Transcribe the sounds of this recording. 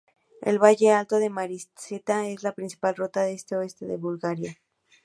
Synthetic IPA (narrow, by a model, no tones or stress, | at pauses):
ḛlβaʝe̞alt̪o̞ðe̞maɾisset̪ae̞zlapɾinsi̥palro̞t̪aðest̪e̞o̞e̞st̪e̞ðeβulɣaɾja